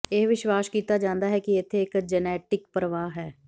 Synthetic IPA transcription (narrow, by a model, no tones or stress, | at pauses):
eɦʋɪʃwaːskiːt̪aːd͡ʒãːnd̪aːɦɛːkiɪt̪ʰːeːɪkd͡ʒənɛːʈɪkpɾəʋaːɦɛː